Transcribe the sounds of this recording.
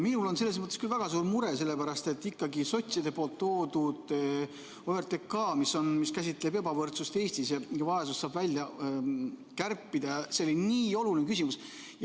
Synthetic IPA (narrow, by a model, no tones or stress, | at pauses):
minulo̞nse̞lːes̬mɤt̪ːˑeskylvæɡ̥ɑsuːɾmuɾese̞lːe̞pæɾɑst̪e̞t̪ːikːɑɡiso̞t̪ʲsid̪e̞poːlt̪ːo̞ːd̪ud̪̥ | oert̪ˑekːɑːmiso̞nmiskæsʲit̪ːˑle̞be̞bɑvɤrt̪sust̪e̞ːsʲt̪isjɑjɑvɑesussɑːb̥vælʲjɑ | kærpːid̪ɑjɑse̞o̞liniːo̞lulinekysimus | jɑ